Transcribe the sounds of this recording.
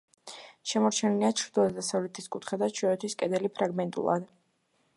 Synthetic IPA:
ʃɛmɔɾt͡ʃʰɛniliat͡ʃʰɾd̪lˠad̪asavlɛt̪ʰiskʼut̪ʰχɛd̪at͡ʃʰɔɛt̪ʰwiskʼɛd̪ɛlipʰɾaɡmɛnt̪ʼṵlˠa̰d̪

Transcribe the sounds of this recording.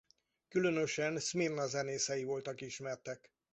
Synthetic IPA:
kylønøʃɛnsmirnɒzɛneːsɛjivo̞lt̪ɒkiʃmɛrt̪ɛk

